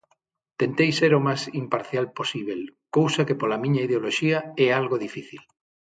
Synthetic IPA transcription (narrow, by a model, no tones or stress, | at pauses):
t̪ent̪ejseɾomasimpaɾθjalposiβ̞elkowsɐkepolɐmĩɲɐiðeoloʃiɐɛalɣoðifiθil